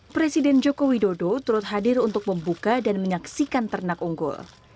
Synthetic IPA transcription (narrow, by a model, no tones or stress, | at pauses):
pɾesidɛnd͡ʒokowidodot̪uɾʊt̪̚ɦadɪrunt̪ʊk̚məmbukadanməɲaksikant̪ərnakuŋɡʊ̰l